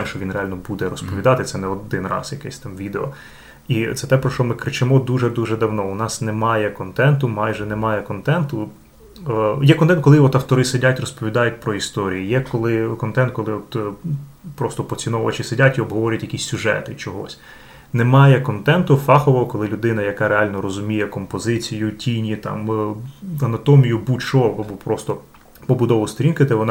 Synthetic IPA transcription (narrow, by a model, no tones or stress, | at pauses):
t̪ɛmʃt͡ʃɔʋʲinrealʲnɔbud̪ɛɾɔspɔʋʲid̪ɑt̪ɪt̪sɛnɛɔd̪ɪnrɑ̰sjɐkɛsʲt̪ɑmʋʲid̪eɔ | it̪sɛt̪ɛpɾɔʃt͡ʃɔmɪkɾɪt͡ʃɪmɔd̪uʒɛd̪uʒɛd̪ɐwnɔʊnɑsnɛmɑjɛkɔnt̪ɛnt̪ʊmɑjʒɛnɛmɑjɛkɔnt̪ɛnt̪ʊ | jɛkɔnt̪ɛnkɔlˠɪɔt̪ɐwt̪ɔɾɪsedʲatʲrɔspɔʋʲid̪ɑjʊt̚ʲpɾɔist̪ɔɾʲijijɛkɔlˠɪkɔnt̪ɛnt̪̚kɔlˠɪɔt̪ | pɾɔst̪ɔpɔt͡sʲinɔʋɐ̰t͡ʃɪsedʲatʲiɔbɦɔʋɔɾʲɐtʲjɐkʲisʲsʲʊʒɛ̰t̪ɪt͡ʃɔɦɔ̰sʲ | nemɑjɛkɔnt̪ɛnt̪ʊfɑxɔʋɔɦɔkɔlˠɪlʲʊd̪ɪnɐjɐkɑɾeɑlʲnɔɾɔzʊmʲijɛkɔmpɔzɪt͡sʲijʊtʲinʲit̪ɑ̰m | ɐnɐt̪ɔmʲijʊbut͡ʃɔʋɔbupɾɔst̪ɔ | pɔbʊd̪ɔʋʊst̪ɔɾʲinkɪd̪ɛʋɔnɑ